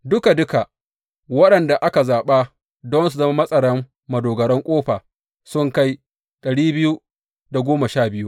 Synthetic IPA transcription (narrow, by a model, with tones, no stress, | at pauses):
dʊ˦ka˨dʊ˦ka˨ | wɐ˦ɗɐ˨nda˨ʔa˦ka˨zaː˨ɓa˦ | dɔ˦nsu˨zɐ˦ma˦mɐ˦sʼɐ˨ɽɐ˦mː | ɐ˨doː˨ɡɐ˨ɾɐ˦ŋkʷʼoː˦ɸaː˨ | sʊ˦ŋka˦j | ɗɐ˨ɽiː˦bɪ˦ju˦ | da˨ɡʷoː˦ma˨ʃaː˦˨bɪ˦ju˦